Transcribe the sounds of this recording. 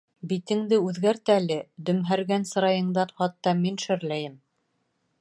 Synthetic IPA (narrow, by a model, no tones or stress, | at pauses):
bit̪ɘ̆ŋd̪ɘʉðɡæɾt̪æælɘd̪ɵ̆mɦæɾɡænsɤ̆ɾɑjɤ̆ɴd̪ɑnχɑt̪ːɑminʃɘ̆ɾlæjɘm